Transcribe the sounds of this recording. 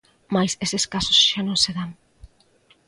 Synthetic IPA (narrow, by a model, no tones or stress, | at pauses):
majsesɪskasʊsʃanõŋseðaŋ